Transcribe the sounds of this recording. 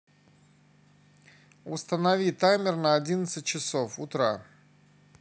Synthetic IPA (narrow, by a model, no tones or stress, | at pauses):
ʊst̪ənɐvʲit̪amʲɪrnəɐdʲinət̪sɨt̚ʲt͡ɕɪsofʊ̰t̪ɾa